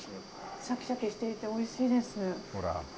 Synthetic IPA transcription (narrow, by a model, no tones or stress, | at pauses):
sakʲi̥ɕakʲiɕi̥t̪e̞it̪e̞o̞iɕiːd̪e̞sɨnehoɾa̰